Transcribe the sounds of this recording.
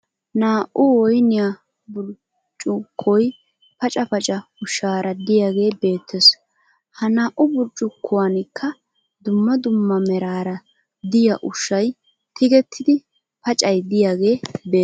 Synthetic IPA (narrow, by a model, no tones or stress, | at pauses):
naːʔʔʊwɔjnɪja | bʊɾ | t͡ʃʼʊkʰːɔj | pɐt͡ʃʼɐpɐt͡ʃʼɐʊʃːaːɾɐd̪ɪjaːɡe̞ːbe̞ːt̪ʰːɛs | hɐnaːʔʊbʊɾt͡ʃʼːʊkʰːʊwɐnɪkʰːɐ | d̪ʊmːɐd̪ʊmːɐmɛɾaːɾɐ | d̪ɪjɐʔʊʃːɐj | t̪ɪɡɛt̪ʰːɪd̪ɪ | pɐt͡ʃʼɐjd̪ɪjaːɡe̞ːbeː